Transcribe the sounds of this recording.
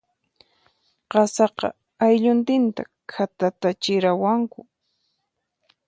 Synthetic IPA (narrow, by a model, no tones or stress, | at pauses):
qɑsɑqɑ̰ | ajʎʊnt̪ɪnt̪a̰ | kʰat̪at̪at͡ʃɪɾawaŋkʊ